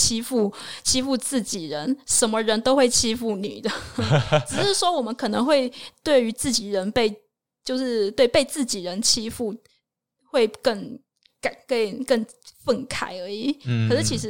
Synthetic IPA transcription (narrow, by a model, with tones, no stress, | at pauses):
t͡ɕʰi˥fu˥˩t͡ɕʰi˥fu˥˧t͡sɹ̩˥˩t͡ɕi˨˩ɻə˧˦nʂə˧˥nmə˧ɻə˧˥nt̪o˥ʊxwe˥˩ɪt͡ɕʰi˥fu˥˩nḭ˨˩d̪ə˦ʈ͡ʂ̩˨˩ʂɻ̩˥˩ʂwɔ˥wɔ˨˩mə˦nkʰɤ˨˩nɤ˧˥ŋxwe˥˧ɪt̪we˥˩ɪy˧˥t͡sɹ̩˥˩t͡ɕi˨˩ɻə˧˥npe˥˧ɪ | t͡ɕjo˥˧ʊʂɻ̩˥˧t̪we˥˧ɪpe˥˧ɪt͡sɹ̩˥˩t͡ɕi˨˩ɻə˧˥nt͡ɕʰi˥fu˥˩ | xwe˥˧ɪkə˥˩ŋ | ka˨˩˦kə˥˩kə˥˧˩ŋ | fə˥˩nkʰa˨˩ɪə˧˥i˨˩kʰʂɻ̩˥˩t͡ɕʰi˧˥ʂ̬ɻ̩˧˥